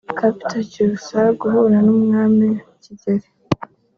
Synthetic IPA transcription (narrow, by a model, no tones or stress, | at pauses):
kapi̥tacuusaɡuhuɾanuːmŋaːmicizeɾe